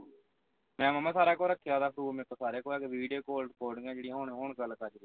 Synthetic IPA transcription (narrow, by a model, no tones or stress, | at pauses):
mɛ̃ːmamãːsaːɾaːkoːlɾəkʰːjaːd̪aːpʰɾuːmek̪asaːɾeːkoːɾɛːkʋiːɖijoːkoːlʈkoːɖɪŋãːd͡ʒeːɽĩːɦoːɳɦoːɳɡəlkad͡ʒɾi